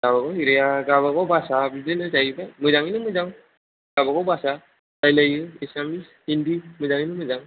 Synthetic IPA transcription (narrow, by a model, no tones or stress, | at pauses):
ɡaβaɡɔiɾejaɡaβaɡɔbasabidɯnɯd͡ʒajbamɯzaŋinɯmɯzaŋ | ɡ̥abaɡɔbasa | tajlajɯesamis | indimɯzaŋinɯmɯzaŋ